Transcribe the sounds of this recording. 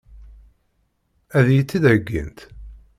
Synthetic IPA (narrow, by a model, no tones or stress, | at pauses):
æðjit͡sːiðæɡːḭnt̪